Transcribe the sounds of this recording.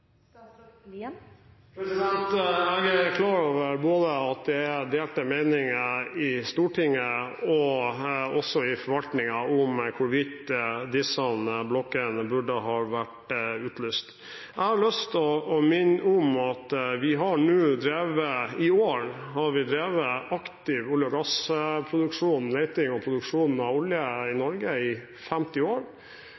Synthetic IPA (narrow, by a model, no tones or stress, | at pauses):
pʰɾɛsɪd̪ɛnt̪ɛɡækʰlɑːɾoːʋəɾboːd̪əɑt̪̚d̪ɛd̪eːlt̪əmeɪnɪŋəɪst̪uːʈʰɪŋːəɔ | ɔsɔɪfɔɾʋɑlt̪nɪŋɑʊmkʰʊʋɪt̪d̪ɪsɔnblɔkːənbʉɖəɦɑːʋæʈʉːt̪lyːst̪ | ʔæhɑɭœst̪ɔːmɪnːʊmɑt̪ʋɪɦɑɳʉːd̪ɾeːʋəɪoːɳhɑɾʋɪd̪ɾeːʋəɑkt̪ɪʋʊljɔɡɑspʰɾʊd̪ʉkʂuːnleɪt̪ɪŋɔpʰɾʊd̪ʉkʂuːnn̩ɑʋʊljəɪnɔɾɡəɪ | fɛmt̪ɪoːɾ